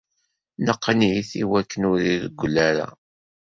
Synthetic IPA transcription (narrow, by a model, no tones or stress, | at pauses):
nəqːniθiwækːənʊɾiðəɡʷːlæɾa̰